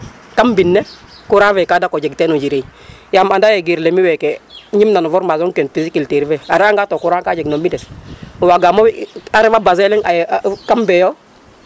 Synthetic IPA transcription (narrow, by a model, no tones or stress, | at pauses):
kambinːe | kuɾanvɛkadakod͡ʒeɡtenoɟiɾeijamandajeɡiɾlemiwɛkɛɲimnanuvɔɾmazoŋkenfisikilteɾivɛaɾaŋɡatokuɾaŋkad͡ʒeɡnomːidɛswaɡamowaɾɛvabazɛlɛŋakambɛjo